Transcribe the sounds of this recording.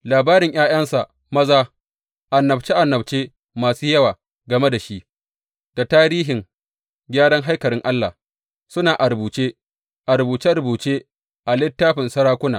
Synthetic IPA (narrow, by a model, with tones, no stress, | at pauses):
laː˨baː˦ɾɪ˨ŋj̰aː˦j̰ɐ˦nsa˨ʔ | mɐ˦zaː˦ | ʔa˨nːɐ˨b̚t͡ʃeː˦ʔa˨nːɐ˨b̚t͡ʃeː˦ | maː˨suː˦jɐ˦waː˨ | ɡɐ˨me˦da˨ʃi˦ʔ | d̥a˨taː˦ɾiː˦ɦɪ˨ŋ | ɡʲaː˦ɽɐ˦ŋɦa˦jkɐ˨ɽɪ˦ŋʔa˦lːa̰˨ | sʊ˦naː˨ʔa˨ɾʊ˨buː˨t͡ʃeː˦ | ʔa˨ɾʊ˨buː˨t͡ʃe˦ɾʊ˨buː˨t͡ʃeː˦ | ʔa˨lɪ˦tːaː˦ɸɪ˨nsɐ˦ɾaː˦kʷʊ˦naː˨